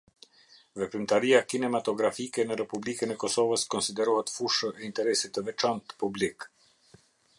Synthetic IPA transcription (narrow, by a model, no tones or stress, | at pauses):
vɛpɾimt̪aɾiakinɛmat̪ɔɡɾafikɛnəɾɛpublikənɛkɔsɔvəskɔnsid̪ɛɾuhɛt̪fuʃəʔɛint̪ɛɾɛsit̪əvɛt͡ʃant̪publik